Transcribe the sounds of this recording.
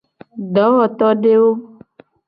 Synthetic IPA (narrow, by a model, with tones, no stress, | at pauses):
ɖɔ˨˦wɔ˨t̪ɔ˦ɖe˦wo˦